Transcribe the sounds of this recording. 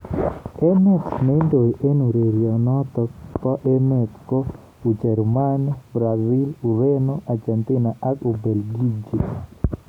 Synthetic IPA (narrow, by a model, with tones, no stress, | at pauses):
ɛ˦nɛ˦kme˦ndo˨ʔe˦nu˨ɾe˨ɾjɔ˨nɔt̪ɔ˨k̚pɔ˦ʔe˦nɛ˨t̪ko˦ | u˨d͡ʒɛ˨rmanbɾa˨zɪ˦lu˨ɾe˦noʔa˨d͡ʒɛ˨nt̪ɪ˦naʔa˦ku˨be˨lɡi˦d͡ʒi˨